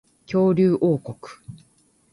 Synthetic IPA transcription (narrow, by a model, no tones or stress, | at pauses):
kʲo̞ːɾʲɨːʔoːko̞kɯ̥